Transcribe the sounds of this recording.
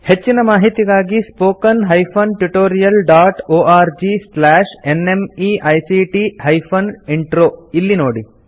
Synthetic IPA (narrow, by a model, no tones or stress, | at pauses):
het͡ʃːinɐmaːɦit̪iɡaːɡispoːkɐnɦɐjpʰɐnʈuʈoːɾijɐlɖaːʈoːaːɾd͡ʒislaːʃenemiʔɐjsiːʈiɦɐjpʰɐniɳʈɾoːilːinoːɽi